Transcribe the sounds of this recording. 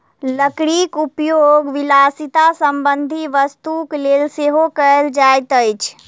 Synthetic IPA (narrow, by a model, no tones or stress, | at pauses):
ləkɽikupjoɡʋilasit̪asəmbənd̪ʱiʋəst̪ukleːlseɦokəəld͡ʒajt̪əjt͡ʃʰ